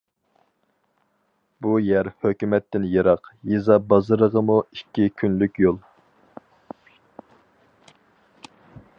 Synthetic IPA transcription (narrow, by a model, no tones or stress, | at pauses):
bujæɾhøkʲymɛt̪ːɪnjɑɾɑqjezɑbɑzɨɾəʁəmuikʲːikʲʰynlykʲjolˠ